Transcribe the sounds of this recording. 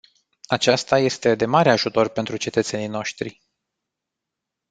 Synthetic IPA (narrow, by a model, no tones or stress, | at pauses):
at͡ʃast̪aje̞st̪e̞d̪e̞maɾeaʒut̪o̞rpe̞nt̪ɾut͡ʃe̞t̪ət̪se̞nijno̞ʃt̪ɾḭ